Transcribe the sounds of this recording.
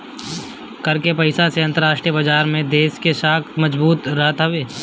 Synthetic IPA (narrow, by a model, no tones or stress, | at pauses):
kɐɾkepɐɪsaseɐ̃nt̪əɾaːsʃʈɾijəbɐd͡ʒaːɾmẽd̪eːskeʃaːkt̪mɐd͡ʒbuːt̪ɾɐɦt̪ɦɐʋeː